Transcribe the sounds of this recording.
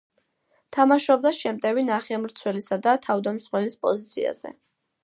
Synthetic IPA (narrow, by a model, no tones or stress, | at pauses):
t̪ʰamaʃɔb̚d̪aʃɛmt̪ʼɛvinaχiamɾt̪sʰwɛlisad̪at̪ʰavd̪amsχwɛlispʼɔ̰zit̪sʰḭa̰z̥ɛ̰